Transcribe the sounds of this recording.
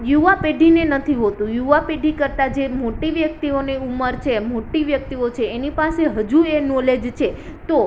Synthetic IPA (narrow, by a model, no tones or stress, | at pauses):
juʋapeɖʱinenət̪ʰiɦot̪ũjuʋapeɖʱikəɾt̪ad͡ʒemoʈiʋjək̚t̪ioneuməɾt͡ʃʰemoʈiʋjək̚t̪iot͡ʃʰeːnipaseɦəd͡ʒuenɔled͡ʒt͡ʃʰe | t̪o